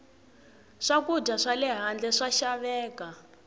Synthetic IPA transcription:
ʂakudʱaʂalɛɦand͡ɮɛʂaʃaβɛːka

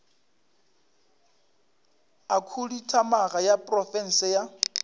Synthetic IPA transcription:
akʰuditʰamaɣajapʼrɔfɛn̩sɪja

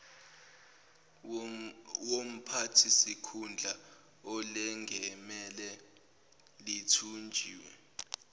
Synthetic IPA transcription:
wom̩pʰatʰisikʰund͡ɮʱa | ɔlɛŋɡʱɛmɛlɛ | litʰund͡ʒʱiːwɛ

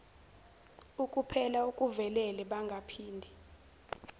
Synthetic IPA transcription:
ukʼupʰɛlaukʼuvɛlɛlɛɓaŋɡʱapʰiːndʱi

